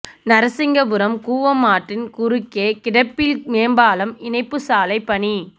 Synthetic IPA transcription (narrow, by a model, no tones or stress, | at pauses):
nɐɾɐsɪŋɡɐʋɯɾɐmkuːʋɐmaːʈrɪnkʊɾɯkːeːkɪɽɐpːɪlmeːmbaːlɐmɪnɐɪpːɯsaːlɐɪpːɐɳi